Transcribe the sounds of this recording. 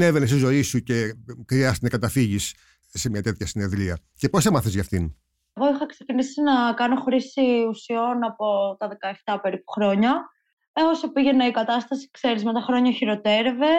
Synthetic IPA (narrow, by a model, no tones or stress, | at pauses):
ne̞venest̪izo̞isuce̞kɾiɐst̪tnɐkɐt̪ɐfiʝis | se̞mɲɐt̪e̞t̪çɐsine̞ðɾiɐ | ce̞posemɐθezʝɐft̪in | ɣo̞ixɐksecinisinɐkɐno̞xɾisiusio̞nɐpo̞t̪ɐðe̞kɐe̞ft̪ɐpe̞ɾipu̥xɾo̞ɲɐ | eosepiʝe̞nɐikɐt̪ɐst̪ɐsi̥kse̞ɾizme̞t̪ɐxɾo̞ɲɐçiɾo̞t̪eɾeve̞